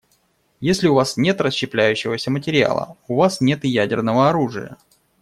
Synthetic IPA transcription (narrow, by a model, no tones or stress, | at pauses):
jesʲlʲɪʊvasnʲe̞t̪rəsɕːɪplʲæjʉɕːɪvəsʲəmətʲɪɾʲɪa̰lˠə̰ʊvasnʲet̪ɨjædʲɪrnəvəɐɾuʐɨ̰jə̰